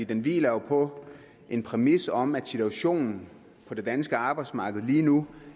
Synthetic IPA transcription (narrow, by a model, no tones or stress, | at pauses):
ḭːd̥enʋḭːlɐjopʰɒ̽ | ʔe̝npʰʁɛmisɒ̽mæd̥sit͡sʰuæɕo̝̰ːnn̩ | pʰɒ̽d̥e̝d̥ænsɡ̥əɑ̈ːb̥ɑ̈ɪd̥smɑ̈ːɡ̥ð̞̩ˠliːnu